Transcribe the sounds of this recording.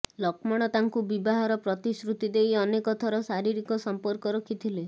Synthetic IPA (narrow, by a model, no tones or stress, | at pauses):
lɔkmɔɽ̃ɔt̪aŋkubibaɦaɾɔpɾɔt̪isɾut̪id̪ejɔnekɔt̪ʰɔɾɔsaɾiɾikɔsɔmpɔɾkɔɾɔkʰit̪ʰile